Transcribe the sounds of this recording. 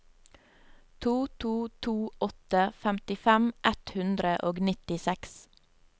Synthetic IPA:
t̪ʰuːt̪ʰuːt̪ʰuːʔɔt̪əfæmt̪ɪfɛmʔɛt̪hʉnd̪ɾəʔoːɡnɪt̪ɪsɛks

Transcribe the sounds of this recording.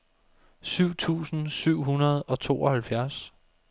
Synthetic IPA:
syʊ̰t͡sʰṵːsn̩syʊ̰ɦunɐð̞̩ˠɒ̽t͡sʰo̝̰ːɒ̽hælfjæɐs

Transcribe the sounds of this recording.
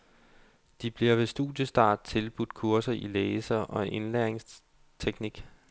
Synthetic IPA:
d̥ib̥liɐʋe̝sd̥ṵːd̥jəsd̥ɑ̈ːd̥̚t͡sʰe̝lb̥ud̥̚kʰuɐsɐʔileːsɐʔɒ̽ʔe̝nleɐeŋs | t͡sʰeɡ̥niɡ̥

